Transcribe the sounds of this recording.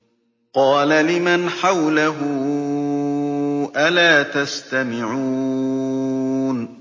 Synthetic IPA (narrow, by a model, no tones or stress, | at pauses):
qɑːlalɪmanħawlaɦʊ | ʔalaːt̪ast̪amɪʕuː | n